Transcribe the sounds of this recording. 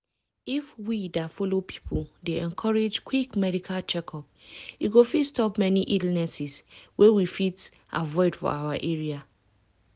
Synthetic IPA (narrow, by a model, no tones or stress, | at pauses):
ifwidatfɔlopʰi̥pʰuldeɛ̃nkʰɔɹed͡ʒkʰwikmɛdikʰat͡ʃɛkʰɔp | uɡofitstɔpmɛniʔidl̩nɛsiswewifit | ʔa̰vɔɪdfɔ̰awaʔeɹia